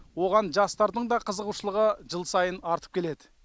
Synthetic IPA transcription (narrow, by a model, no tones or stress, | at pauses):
wo̞ʁɑnʒɑst̪ɑɾd̪əɴd̪ɑqʰəzəʁuʃəlˠəʁəʒəlˠsɑjənɑɾt̪əp̚kʲʰe̞le̞d̪ɪ